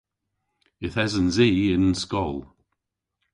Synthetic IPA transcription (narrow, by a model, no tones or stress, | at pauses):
ɪθɛzənziːɪnənskɔlˠ